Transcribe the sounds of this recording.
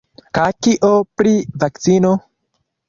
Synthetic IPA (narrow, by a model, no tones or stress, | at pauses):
kakiʔopɾivak̚t͡sino